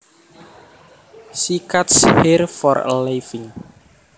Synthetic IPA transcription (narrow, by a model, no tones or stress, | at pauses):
sikat̪sherfɔrlefɪŋ